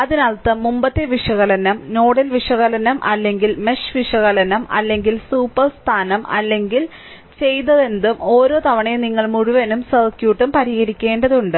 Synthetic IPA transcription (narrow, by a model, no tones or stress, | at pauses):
ɐðinɐɭt̪ːɐmːumbɐt̪ːeʋiʂɐɣɐlɐnɐmno̞ːɽɐlʋiʂɐɣɐlɐnɐmʔɐ̰lːe̞ŋɡilme̞ʂʋiʂɐɣɐlɐnɐmʔɐ̰lːe̞ŋɡilsuːpːɐrst̪ʰaːnɐmɐ̰lːe̞ŋɡil | t͡ɕe̞jt̪ɐðe̞nd̪umo̞ːɾo̞ːt̪ɐʋɐɳeniŋːɐɭmuɻuʋɐnumsɐrkjuːʈːumpɐɾiɣɐɾikʲːe̞ːɳɖɐðuɳɖɨ